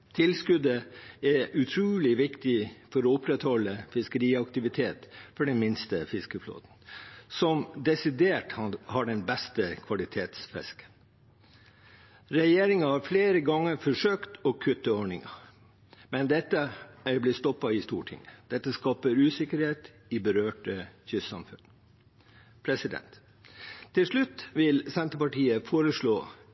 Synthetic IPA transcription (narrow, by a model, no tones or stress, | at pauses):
t̪ʰɪlskʉd̪əæʔʉt̪ʰɾuːlɪʋɪkt̪ɪfɔɾɔːʊpɾɛt̪hɔlːəfɪskəɾiːɑkt̪ɪʋɪt̪ʰeːt̪fɔɖɛnmɪnst̪əfɪskəflo̰ːt̪n̩sɔmd̪ɛsɪd̪eːʈhhɑɖɛnbɛst̪əkʰʋɑlɪt̪ʰeːt̪sfɛ̰skə̥n | ɾɛjeːɾɪŋɑhɑɾfleːɾəɡɑŋːəɾfɔʂøːkt̪ɔkʰʉt̪ːəɔɳɪŋɑ̰ | mɛnd̪ɛt̪ːəæɾblɪst̪ɔpːɑɪst̪ṵːʈʰɪ̰ŋəd̪̥ɛt̪ːəskɑːpəɾʉːsɪkəɾheːt̪ | ɪbəɾøːʈəçʏssɑ̰mfʉn | pʰɾɛsɪd̪ɛ̰nt̪ʰː | ɪlʂɭʉt̪ːʋɪlsɛnt̪əpɑʈiːəfoːɾəʂɭoː